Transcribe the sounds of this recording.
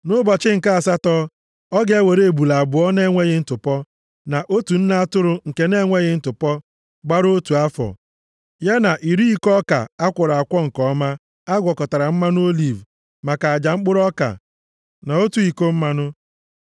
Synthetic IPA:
nʊ˦bɔ˨t͡ʃɪ˦ŋ̩˨ka˦a˨sa˦tɔ˦ | ɔ˦ɡe˦e˦we˨ɾe˦e˨bu˨la˨a˨bʊ˨˦ɔ˦ne˦ŋʷe˦ɣɪ˦n̩˦tʊ˨pɔ˦ | na˨ʔo˦tu˨n̩˦na˦a˦tʊ˦ɾʊ˨ŋ̩˨ke˦ne˦ŋʷe˦ɣɪ˦n̩˦tʊ˨pɔ˦ | ɡ͡ba˦ɾo˦tu˨a˦fɔ̰˨ | ja˦na˨ʔi˨ɾi˦i˨kɔ˦ka̰˨a˦kʷʊ˨ɾa˨a˨kʷɔ˦ŋ̩˨kɔ˦ma˦ | a˦ɡʷɔ˨kɔ˨ta˨ɾa˨m̩˦ma˦n˦o˦li˨v | ma˨ka˨a˨d͡ʒa˨ŋ͡m̩˦k͡pʊ˦ɾɔ˦ka̰˨ | na˨o˦tu˨i˨ko˦m̩˦ma˦nʊ˦

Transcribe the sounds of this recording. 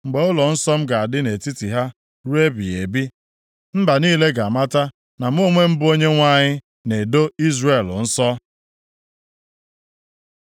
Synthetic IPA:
ŋ͡m̩˨ɡ͡be˨˦ʊ˦lɔ˨n̩˦sɔ˦m̩˦ɡa˨a˨dɪ˦ne˨ti˦ti˨ɦa˦ | ɾu˦e˦bi˨e˨bi˦ | m̩˦ba˨niː˦le˦ɡa˨a˨ma˦ta˦ | na˨m̩˦o˦ŋʷe˦m̩˦bʊ˦o˦ɲe˦ŋʷa˦˨ɲɪ˦ | ne˨do˦i˦zre˨ln̩˦sɔ˦

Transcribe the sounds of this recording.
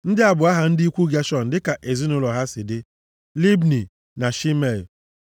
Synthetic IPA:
n̩˦dɪ˦a˨bʊ˨a˦ɦa˨n̩˦dɪ˦i˦kʷu˦ɡja˦ʃɔ˦n̩˨dɪ˦ka˨ʔe˨zi˦nʊ˦lɔ˨ɦa˦sɪ˨dɪ˦ | li˦bni˨ | na˨ʃi˦me˨l

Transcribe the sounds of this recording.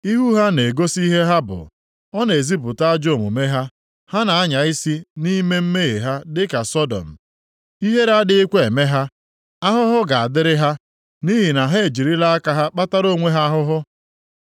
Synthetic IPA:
i˦ɦu˦ɦa˦ne˨ɡo˦si˦ɦe˦ɦa˦bʊ̰˨ | ɔ˦ne˨e˨zi˦pʊ˨ta˦a˦d͡ʒo˦˨mṵ˨me˦ɦa˦ | ha˦na˨a˦ɲa˨ɪ˦si˦ni˦me˦m̩˦me˦ɣe˨ɦa˦dɪ˦ka˨sɔ˦dɔ̰˨m̩˨ | i˦ɦe˦ɾa˦dɪ˦i˦kʷe˦e˨me˦ɦa˦ | a˦ɦʊ˦ɦʊ˦ɡa˨a˨dɪ˦ɾɪ˦ɦa˦ | ni˦ɦi˨na˨ɦe˦e˨d͡ʒi˨ɾi˦la˦a˦ka˦ɦa˦k͡pa˦ta˦ɾo˦˨ŋʷe˦ɦa˦a˦ɦʊ˦ɦʊ˦

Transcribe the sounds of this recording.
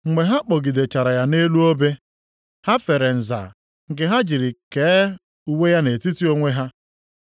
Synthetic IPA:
ŋ͡m̩˨ŋe˨ɦa˦k͡pɔ˨ɡi˨de˨t͡ʃa˨ɾa˨ja˦ne˦lu˦o˦be˦ | ha˦fe˨ɾe˨n̩˨za̰˨ | ŋ̩˨ɡɪ˨ɦa˦d͡ʒi˨ɾi˨ke˨˦ | u˦we˦ja˦ne˨ti˦ti˦o˦ŋʷe˦ɦa˦

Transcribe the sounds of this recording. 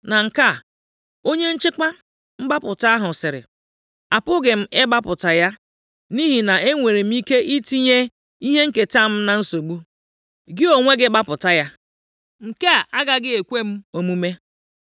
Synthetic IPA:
na˨ŋ̩˨ka˦˨ | o˦ɲe˦n̩˦t͡ʃɪ˦k͡pa˦ | m̩˦ɡ͡ba˦pʊ˨ta˦ɦʊ˨sɪ˨ɾɪ̰˨ | a˨pʊ˦ɡe˨m̩˦e˦ɡ͡ba˦pʊ˨ta˨ja˦ | ni˦ɦi˨na˨ʔe˦ŋʷe˨ɾe˨m̩˦i˦ke˦ʔi˦ti˦ɲe˦ | i˦ɦe˦ŋ̩˦ke˨ta˦˨m̩˦na˨n̩˦so˨ɡ͡bu˦ | ɡɪ˦o˨ŋʷe˦ɡɪ˦ɡ͡ba˦pʊ˨ta˦ja˦ | ŋ̩˨ke˦a˨ʔa˦ɡa˨ɡɪ˦e˨kʷe˦m̩˦o˨mu˦me˦

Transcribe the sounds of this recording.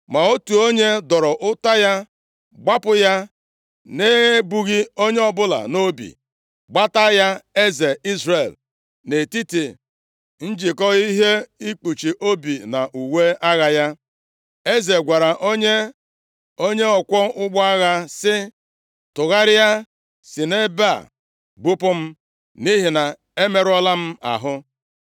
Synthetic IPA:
ma˨o˦tu˨o˦ɲe˦dɔ˨ɾɔ˨ʔʊ˦ta˦ja˦ | ɡ͡ba˦pʊ˦ja˦ | ne˦ɣe˦bu˨ɣi˦o˦ɲe˦ɔ˨bʊ˦la̰˨no˦bḭ˨ | ɡ͡ba˦ta˦ja˦e˦ze˨i˦zre˨l | ne˨ti˦ti˨ | n̩˦d͡ʒi˨kɔ˦i˦ɦe˦i˦k͡pu˨t͡ʃi˨ʔo˦bi˨na˨ʔu˨we˦a˦ɣa˦ja˦ | e˦ze˨ɡʷa˨ɾa˨ʔo˦ɲe˦ | o˦ɲe˦ɔ˨kʷɔ˦ʊ˦ɡ͡bɔ˦a˦ɣa˦sɪ˦ | tʊ˨ɣa˦ɾɪ˦ja˦ | si˨ne˦ba̰˦˨ | ɡ͡bu˦pʊ˦m̩˦ | ni˦ɦi˨na˨ | e˦me˨ɾɔ˦la˦m̩˦a̰˨ɦʊ˦

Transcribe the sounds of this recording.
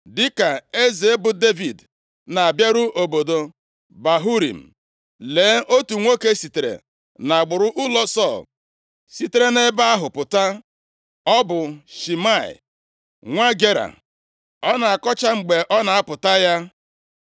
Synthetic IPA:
dɪ˦ka˨e˦ze˨e˦bʊ˨de˦vi˨d | na˨a˨bja˦ɾʊ˦ʔo˨bo˨do˨ | ba˨ɦu˦ɾḭ˨m̩˨ | leː˨˦ʔo˦tu˨ŋʷo˦ke˦si˨te˨ɾḛ˨ | na˨a˨ɡ͡bʊ˨ɾʊ˦ʔʊ˦lɔ˦sɔ˦˨l | si˦te˦ɾe˦ne˦ba˦a˦ɦʊ˨pʊ˨ta˦ | ɔ˦bʊ˨ʃi˨ma˦˨ɪ̰˨ | ŋʷa˦ɡe˦ɾa̰˨ | ɔ˦na˨a˨kɔ˦t͡ʃa˦ŋ͡m̩˨ɡ͡be˨ʔɔ˦na˨a˦pʊ˨ta˦ja˦

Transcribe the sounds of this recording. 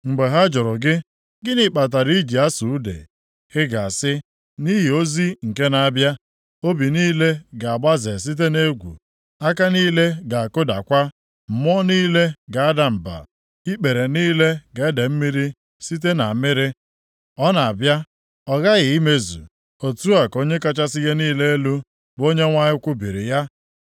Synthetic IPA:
ŋ͡m̩˨ɡ͡be˨ɦa˦d͡ʒʊ˨ɾʊ˨ɡɪ˦ | ɡɪ˦nɪ˨k͡pa˨t̬a˨ɾi˦d͡ʒi˨a˦su˨u˦dḛ˨ | hɪ˦ɡa˨sɪ˦ | ni˦ɦi˨o˦zi˦ŋ̩˨ke˦na˨a˦bja˦ | o˦bi˨niː˦le˦ɡa˨a˨ɡ͡ba˦ze˨s̬i˦t̬e˦ne˦ɡʷṵ˨ | a˦ka˦niː˦le˦ɡa˨a˨kʊ˦da̰˨kʷa˦ | m̩˨m˦ɔ˦niː˦le˦ɡa˨a˦da˨m̩˨ba̰˨ | i˦k͡pe˨ɾe˨niː˦le˦ɡe˨e˦de˨m̩˦mi˦ɾi˦ | si˦t̬e˦na˨mɪ˦ɾɪ˦ | ɔ˦na˨a˨bja˦ | ɔ˦ɣa˦ɣɪ˨i˦me˦zṵ˨ | o˨tu˦a˨ko˦ɲe˦ka˦t͡ʃa˦sɪ˦ɣe˦niː˦le˦e˦lu˦ | ɡ͡bo˦ɲe˦ŋʷa˦ɲɪ˦kʷʊ˦bi˨ɾɪ̰˨ja˦

